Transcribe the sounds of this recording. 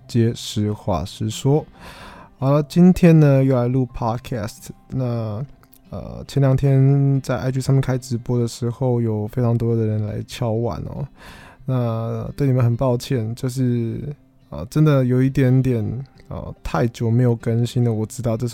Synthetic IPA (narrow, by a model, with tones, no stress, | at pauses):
t͡ɕjɛ˥ʂɻ̩˧˥xwa̰˥˩ʂɻ̩˥˩ʂwɔ˥ | ə˧˥˧t͡ɕi˥nt̪ʰjɛ˥nnə˨jo˥˩ʊla˧˥ɪlu˥˩pʰɑ˥dkʰæ˥˩stʰna˥˩ | ə̰˧˩t͡ɕʰɛ˧˥nljɑ˨˦ŋt̪ʰjɛ˥nt͡sa˥˧ɪa̰˥˧ɪt̪ʰu˥˧sa˥mjŋkʰa˥ɪʈ͡ʂɻ̩˧˥pwɔ˥d̪ə˨ʂɻ̩˧˥xo˥˩ʊjo˨˩ʊfe˥ɪʈ͡ʂʰɑ˧˥ŋt̪wɔ˥jo˨˩d̪ə˩ɻə˧˦nla̰˧˥ɪt͡ɕʰjɑ˥ʊwa̰˨˩˦nɐ̰˧˩na˥˧t̪we˥˩ɪni˩ə˦nxə˨˩npɑ˥˧ʊt͡ɕʰjɛ˥˩nt͡ɕjo˥˧ʊʂ̬ɻ̩˥˩ | ə̰˧˩ʈ͡ʂə˥nd̪ə˨jo˨˩ʊi˥˩t̪jɛ˧˥nt̪jɛ˨˩nə̰˧˩t̪ʰa˥˩ɪt͡ɕjo˨˩ʊme˧˥ɪjo˨˩ʊkə˥nɕi˥nd̪ə˨wɔ˨˩ʈ͡ʂɻ̩˥t̪ɑ˥˧ʊʈ͡ʂɤ˥˧ʂ